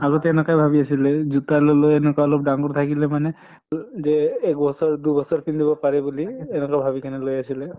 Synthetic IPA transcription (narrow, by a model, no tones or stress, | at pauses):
aɡɔtɛnɛkajbʱabiasilɛzutalɔlojɛnɛkaɔlɔp̚daŋkɔɹt̪ʰakilɛmanɛ | zɛːk̚bɔsɔɹdubɔsɔɹpindibɔpaɹɛbuliːnɔkabʱabikʰanɛlojasilɛ